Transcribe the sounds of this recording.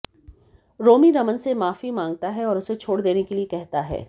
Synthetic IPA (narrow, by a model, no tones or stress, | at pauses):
ɾoːmiɾɐmənsemaːfimãːŋɡ̚t̪aɦɛɔːɾʊset͡ʃʰoːɽd̪eːnekeliekɛɦt̪aɦɛ̰ː